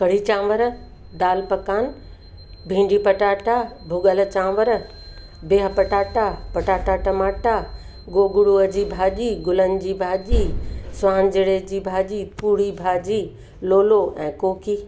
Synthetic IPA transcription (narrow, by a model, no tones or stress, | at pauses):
kɐɽit͡ɕãːʋəɾ | d̪aːlpɐkaːn | bʱĩːɳɖipɐʈaːʈabʱʊɡəlt͡ɕãːʋəɾ | beːɦpɐʈaːʈapɐʈaːʈaːʈɐmaːʈa | ɡoːɡʊɽuəd͡ʑiːbʱaːʄiːɡʊlən̆d͡ʑiːbʱaːd͡ʑiːsʋãːnd͡ʑɪɽed͡ʑiːbʱaːd͡ʑiːpuːɽibʱaːd͡ʑiː | loːloʔɛ̃ːkoːkiː